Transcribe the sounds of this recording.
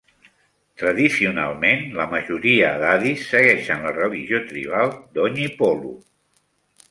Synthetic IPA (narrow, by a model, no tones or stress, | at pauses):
t̪ɾəðisiuna̰lˠmenləməʒuɾiəðaðisːəɣɛʃənlərəliʒiot̪ɾḭβ̞alˠd̪ɔɲipɔlṵ